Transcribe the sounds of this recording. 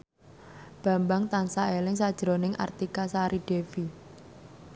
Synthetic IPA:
b̥a̤mbaŋt̪ansaelɪŋsad̥ʒ̥ɾonɪŋʔa̰rt̪ikasaɾiɖ̥efi

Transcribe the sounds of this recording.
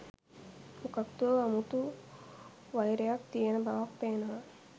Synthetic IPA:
ukɐkt̪uɐmut̪u | ʋɐjɾjak̚t̪ijɐnɐbaʋak̚peːnɐ

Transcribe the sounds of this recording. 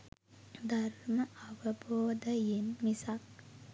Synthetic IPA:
d̪ʱɐɾmɐɐʋɐboːd̪ɐjenmisak̚

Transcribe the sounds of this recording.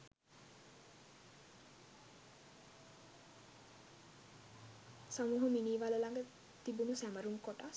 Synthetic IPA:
səmuɦuminiːʋaləlaŋɡə | t̪ibunusæməɾumkoʈa

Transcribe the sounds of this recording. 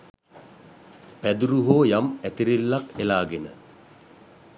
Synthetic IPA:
pæd̪uɾuɦoːjamæt̪iɾilːakelaːɡenə̰

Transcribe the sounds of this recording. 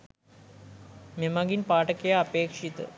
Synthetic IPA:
memɐɡinpaːʈɐkːejaɐpeːkʂit̪ːɨ̰

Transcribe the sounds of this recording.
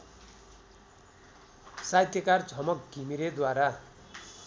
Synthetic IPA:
sajt̪ʰjʌkard͡zʱʌmʌkɡʱimiɾed̪waɾa

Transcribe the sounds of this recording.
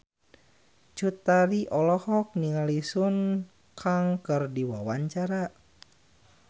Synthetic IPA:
t͡ʃut̪aɾiʔɔlɔhɔk̚niŋalisun | kʰaŋkərdiwa̰waɲt͡ʃaɾa

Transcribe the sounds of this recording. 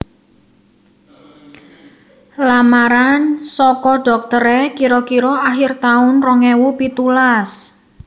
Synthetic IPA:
lamaɾansɔkɔɖ̥ɔ̤k̚t̪əɾɛkiɾɔkiɾɔaɦɪrt̪aʊnrɔŋɛwupit̪ulas

